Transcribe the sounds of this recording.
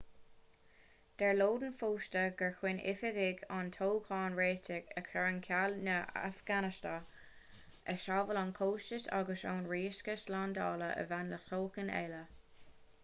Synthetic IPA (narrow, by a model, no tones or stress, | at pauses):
d̪̥ɛɹloːd̪ənfoːʃtəɡəɹxwɪnʔɪ̰fɪɡɪɡantʰoːkʰɑːnɹeːtʰɪɡəkʰɛɹənkʰalnəa̰fɡ̥anɪsta | əʃaːvəlɔnkʰoːʃt͡ʃəsa̰ɡəsa̰ːnɹiːskəslandɑːləʔə̰vanləxt̪ʰoːkənɛ̰ːlə